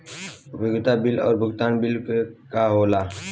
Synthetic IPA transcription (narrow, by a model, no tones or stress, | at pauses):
bɪɡt̪abɪlɔ̰ːɾbʱʊɡt̪aːnbɪlkkaɦoːlaː